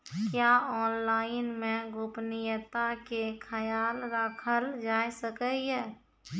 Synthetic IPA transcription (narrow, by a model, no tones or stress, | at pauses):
kjaːɔːnlaːɪnmẽɡʊpnɪjət̪akekʰəjaːlɾakʰəld͡ʒaːesəkəiɦɛː